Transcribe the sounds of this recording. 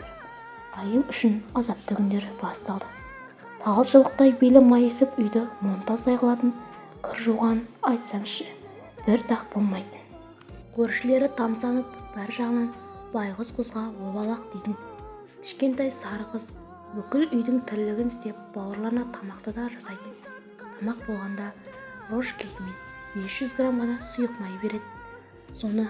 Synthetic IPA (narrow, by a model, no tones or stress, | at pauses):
ɑjənʏʃɪnɑzɑp̚t̪ʰɵɡʲɪnd̪eɾbɑst̪ɑlˠd̪ə | t̪ʰɑʁˠəpʃlˠəq̚t̪ɑjbelɪmɑjesɪpʏjd̪ɪmo̞nt̪ɑsɑjqɑlˠɑt̪ən | kʲʰɪɾʒuwʁɑnɑjt̪sɑmʃɪ̥ | b̥ɪɾt̪ʰɑq̚b̥o̞lˠmɑjd̪ə | kʲʰɵɾʃɪle̞ɾɪt̪ʰɑmsɑnəpb̥æɾʒɑʁənɑnb̥ɑjʁəzqʰʊzʁɑwo̞bɑlˠɑqd̪ejt̪ɪn | kʲʰɪ̥ʃkʲe̞nt̪ɑjsɑɾəqəz | wɵkʲɪlʏjd̪ɪŋt̪ʰɪɾɪlɪɡʲɪnɪst̪e̞p̚b̥ɑwəɾlˠɑɾənɑt̪ʰɑmɑqt̪əd̪ɑʒɑsɑjt̪ən | t̪ʰɑmɑq̚bo̞lˠʁɑnd̪ɑro̞ʃkʲʰejɪmenb̥e̞sʒ̥ʏzɡramʁɑnɑsʊjəqmɑjbe̞ɾe̞d̪ɪ | so̞nə